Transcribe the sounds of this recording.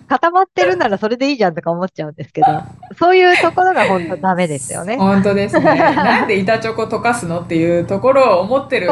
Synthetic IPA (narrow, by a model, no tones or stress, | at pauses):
kat̪amat̪ːe̞ɾɯ̟naɾaso̞ɾe̞d̪e̞iːʑãnt̪o̞kaomo̞tt͡ɕaɯ̟nd̪e̞sɨ̥ke̞d̪o̞so̞ːjɯ̟ːt̪o̞ko̞ɾo̞ɡaɦõ̞nt̪od̪ame̞d̪e̞sɨjo̰ne̞hõnt̪o̞d̪esnãnd̪e̞it̪at͡ɕo̞kot̪o̞kasɨno̞t̪ːe̞jɯ̟ːt̪o̞ko̞ɾo̞ːmo̞t̪ːeɾɯ